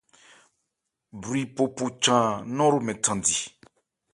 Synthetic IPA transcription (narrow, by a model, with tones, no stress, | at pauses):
bɾi˨po˨pu˨t͡ʃã˨nɔ̃˦ɾu˨mɛ̃˨tʰã˨ndi˨